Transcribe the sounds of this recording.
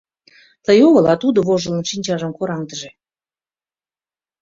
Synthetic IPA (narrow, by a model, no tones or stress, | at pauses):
t̪əjoɣəlɑt̪ud̪oβoʒə̆lə̆nʃinʲt͡ɕɑʒə̆mkoɾɑŋt̪əʒe